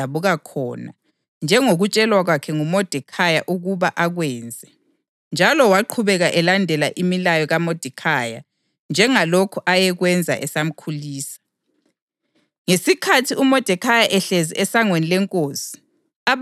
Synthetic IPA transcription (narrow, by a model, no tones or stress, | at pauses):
aβuɣakʰɔ̰ːna̰ | nd͡ʒʱɛŋoɣut͡ʃʼɛlwaɣwakʰɛŋumɔd̥ʱɛkʰajaʔuɣuβaʔaɣwɛːnd͡zʱɛ | nd͡ʒʱalɔwaǃʰuβɛɣaʔɛlandʱɛlaʔimilajɔɣamod̥ʱikʰaja | nd͡ʒʱɛŋalokʰɔʔajɛɣwɛnd͡zʱa̰ʔɛsam̩kʰuliːsḁ | ŋesikʰatʰiumɔd̥ʱɛkʰajaʔɛɬɛziʔɛsaŋwenilɛŋkʼoːsi̥ | a